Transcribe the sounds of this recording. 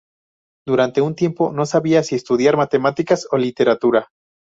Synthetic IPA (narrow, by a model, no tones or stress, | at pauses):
d̪uɾant̪e̞unt̪je̞mpo̞no̞saβiasie̞st̪uðjaɾmat̪e̞mat̪ikaso̞lit̪e̞ɾat̪uɾa